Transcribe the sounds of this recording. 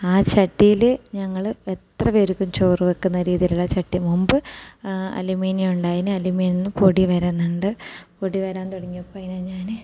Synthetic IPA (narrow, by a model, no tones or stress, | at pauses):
aːt͡ɕɐʈːijilɲɐŋːɐɭet̪rɐʋeɾukːumt͡ɕoːruʋɐkːunːɐɾiːðijiluɭːɐt͡ɕɐʈːimumbɨ | ɐ̰limiːnijjuɳɖaːjinɨɐlumiːninːɨpoɽiʋɐɾenːɐɳɖɨpoɽiʋɐɾaːnt̪oɽɐŋːiɐpːoɐɐjinanɲaːn